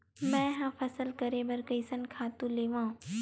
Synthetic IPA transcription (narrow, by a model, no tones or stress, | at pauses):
mɛ̃ːɦãpʰɐsəlkɐɾebɐɾkɐɪsənkʰaːt̪ũleːʋãː